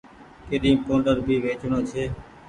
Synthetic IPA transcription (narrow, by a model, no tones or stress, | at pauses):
keːɗĩːpõːɳɖəɾbʱiːʋeːt͡ʃnõːt͡ʃʰeː